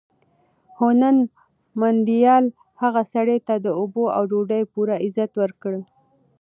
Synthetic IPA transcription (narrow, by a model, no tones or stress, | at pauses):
honan | manɖijɑl | haɣasaɽet̪ad̪əoboa̰wɖoɖajpuɾaɪzat̪wəɾkɽə